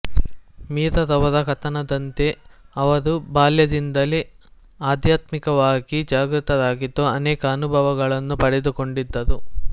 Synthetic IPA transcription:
miːt̪ɐd̪ɐʋɐd̪ɐkɐt̪ɐnɐd̪ɐnt̪e̞ɐʋɐɾubaːljɐd̪ind̪ɐli | aːd̪jaːt̪mikɐʋaːɡid͡ʒaːɡɾut̪ɐd̪aːɡid̪ːoɐnɛːkɐːnubʱɐʋɐɡɐɭɐnːupɐɽed̪uko̞ɳɖid̪ːɐd̪u

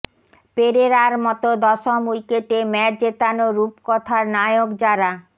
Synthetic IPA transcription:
peɾeɾaɾmɔt̪od̪ɔʃomujkeʈemɛɾd͡ʑet̪anoɾupkɔt̪ʰaɾnajoɡd͡ʑaɾa

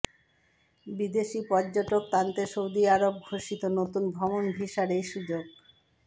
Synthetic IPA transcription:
bid̪eʃipɔɾd͡ʑoʈok̚t̪ant̪eʃowd̪iaɾob̚ɡʱoʃit̪onot̪unbʱɾɔmonbʱiʃaɾejʃud͡ʑoɡ

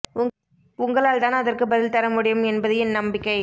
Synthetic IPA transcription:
ʊŋɡɐɭaːɭt̪aːnɐðɐrkɯbɐðɪlt̪ɐɾɐmʊɽɪjɐmɛnbɐðɐjɪnnɐmbɪkːɐɪ

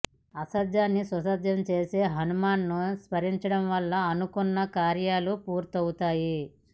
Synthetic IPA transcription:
ɐsɐd̪jaːnːisʋɐsɐd̪jɐmt͡ʃe̞ːse̞ːɦɐnumaːnːuspɐɾiɲt͡ʃɐɽɐmʋɐlːɐːnukunːɐkaːɾjaːlupuːɾt̪ɐwut̪aːji

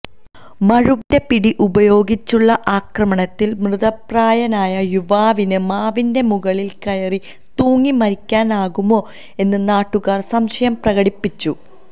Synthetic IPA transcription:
mɐɻude̞piɽiʔubɐjo̞ːɡit͡ɕːuɭːɐʔaːkrɐmɐɳɐt̪ːilmrɨðɐpraːjɐnaːjɐjuʋaːʋinɨmaːʋinde̞muɣɐɭilkɐjɐri | t̪uːŋːimɐɾikʲːaːnaːɣumo̞ː | e̞nːɨnaːʈːuɣaːrsɐmʂɐjɐmprɐɣɐɽipːit͡ɕːu

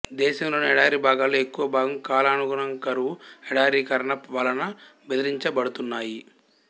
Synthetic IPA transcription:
d̪ɛːʃɐmlo̞ːniɛɽaːɾiːbʱaːɡaːloːekːuʋɐbʱaːɡɐmkaːlɐnuɡuɽɐŋkɐɾuʋuɛɽaːɾiːkɐɾɐɳɐpʋɐlɐnɐ | bed̪ɐɾiɲt͡ʃɐbɐɽut̪unːaːji

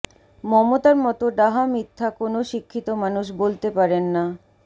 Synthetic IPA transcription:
mɔmot̪aɾmɔt̪oɖaɦamit̪ʰːakonoʃikʰːit̪omanuʃ̬bolt̪epaɾenːa

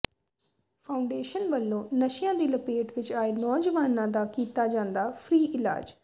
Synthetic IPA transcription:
pʰaːʊɳɖeːʃənbəlːõːnəʃɪjãːd̪iːləpeːʈʋɪt͡ʃaːeːnɔːd͡ʒəʋaːnãːd̪aːkiːt̪aːd͡ʒãːnd̪aːpʰɾiːʔɪla̰ːd͡ʒ

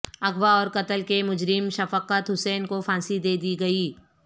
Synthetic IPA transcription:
ɐɡʋaɔːɾkɐt̪əlkemʊd͡ʒɾɪmʃɐfəqət̪ɦʊsɛːnkofãːnsid̪eːd̪iɡɐiː

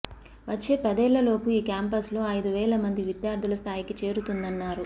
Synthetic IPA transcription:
ʋɐt͡ʃːe̞ːpɛd̪ɛːlːɐlo̞ːkuiːkʲaːmpɐslo̞ːɐjd̪uʋɛːlɐmɐnd̪iʋid̪jaːɾd̪ʱulɐst̪ʰaːjikit͡ʃe̞ːɾut̪und̪ɐnːaːɾu

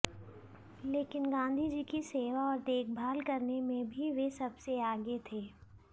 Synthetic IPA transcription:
leːkɪnɡãːn̆d̪ʱid͡ʒikiseːʋaɔːɾt̪eːk̚ʰbʱaːlkɐɾnemẽbʱiʋesɐbseaːɡet̪ʰeː

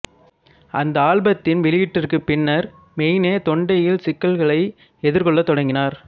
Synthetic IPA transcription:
ʔɐnd̪ɐaːɭbɐt̪ːɪnʋɪɭɪjɪʈːɪrkɯpɪnːɐɾ | mɛjneːt̪ɔɳɖɐjɪlsɪkːɐlɣɐɭɐɪ | ɛðɪɾkɔɭːɐt̪ːɔɽɐŋɡɪnaːɾ

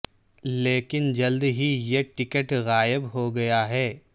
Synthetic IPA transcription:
leːkɪnd͡ʒɐld̪ɦijeʈɪkəʈɣaːjɪbɦoɡɐjaɦɛː

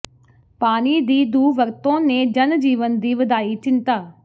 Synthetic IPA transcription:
paːniːd̪iːd̪uːʋəɾt̪õːneːd͡ʒənd͡ʒiːʋənd̪iːʋəd̪aːiːt͡ʃɪnt̪aː

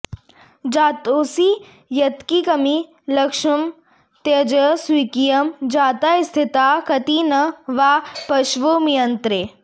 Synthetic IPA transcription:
d͡ʒaːt̪oːsi | jɐt̪kikɐmi | lɐkʃɐm | t̪ɐd͡ʒəswiːkijɐmd͡ʒaːt̪aist̪ʰɪt̪aːkɐt̪iːnɐʋaːpɐʃʋoːmijɐnt̪ɾeː

